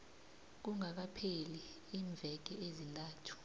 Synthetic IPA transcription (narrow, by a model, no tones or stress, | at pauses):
k̬uŋak̬apʰeli | iːɱb̪vʱɛk̬ɛezintʼaːtʰu̥